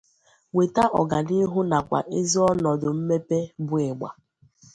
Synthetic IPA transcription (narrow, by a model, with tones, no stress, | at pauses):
we˨ta˦ʔɔ̰˨ɡa˨ni˦ɦʊ˦na˨kʷa̰˨ʔe˦zi˦ɔ˦nɔ˨dʊ˨m̩˦me˦pe˦bʊ˦e˨ɡ͡ba̰˨